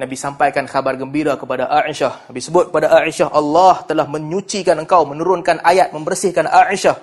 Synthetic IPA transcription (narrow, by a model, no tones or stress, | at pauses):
nabisampajkanxabarɡəmbiɾakəpadaʔaʔiʃahnabisəbʊt̪̚kəpadaʔaʔiʃaɦʔalːɑht̪əlahmə̃ɲũt͡ʃikanəŋkawmə̃nuɾʊnkanʔajat̪̚mə̃mbərsɪhkanʔaʔiʃah